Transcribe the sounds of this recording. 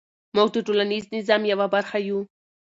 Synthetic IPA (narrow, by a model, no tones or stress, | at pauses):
muɡ̚d̪əʈolaniznɪzɑmjawabaɾxaju